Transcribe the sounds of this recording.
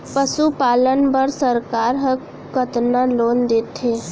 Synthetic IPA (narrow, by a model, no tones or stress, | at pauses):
pəsupaːlənbəɾsəɾkaːɾɦə̃ | kət̪naloːnd̪eːt̪ʰeː